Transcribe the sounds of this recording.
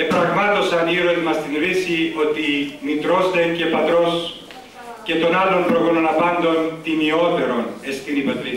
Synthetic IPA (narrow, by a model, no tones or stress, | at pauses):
epɾɐɣmɐt̪o̞sɐniɾonmɐst̪inɾisio̞t̪init̪ɾo̞st̪ece̞pɐt̪ɾo̞s | ce̞t̪o̞nalo̞mpɾoɣononɐpɐnd̪o̞nt̪inio̞t̪e̞ɾo̞nest̪init̪ot̪ɾi